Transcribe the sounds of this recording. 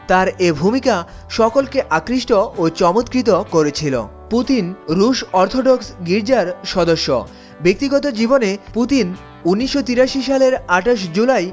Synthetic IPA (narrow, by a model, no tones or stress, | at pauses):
t̪aɾebʱumika | ʃɔkolkeʔakɾiʃʈoʔot͡ɕɔmot̪kɾit̪okoɾet͡ɕʰilo̰ | put̪inɾuʃɔɾt̪ʰoɖoksɡiɾd͡ʑaɾʃɔd̪oʃːo̰ | bek̚t̪iɡɔt̪od͡ʑiboneput̪in | unːiʃːot̪iɾaʃiʃaleɾaʈaʃ̬d͡ʑulaj